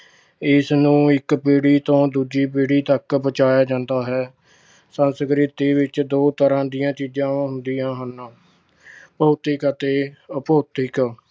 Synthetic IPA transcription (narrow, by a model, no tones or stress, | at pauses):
ɪsnũːɪkpeːɽiːt̪õːd̪uːd͡ʒiːpeːɽiːt̪əkbət͡ʃaːjaːd͡ʒãːnd̪aːɦɛː | sənskɾɪt̪iːʋɪt͡ʃd̪oːt̪əɾãːd̪ijãːt͡ʃiːd͡ʒãːɦʊnd̪iːãːɦənː | pəːt̪ɪkət̪eːəpoːt̪ɪk